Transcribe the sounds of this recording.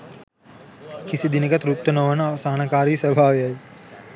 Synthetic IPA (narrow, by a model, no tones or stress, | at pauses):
kisid̪inekɐt̪ɾup̚t̪ɐnɐʋɐnɐʋsaːnakaːɾiːsɐbʱaːʋeai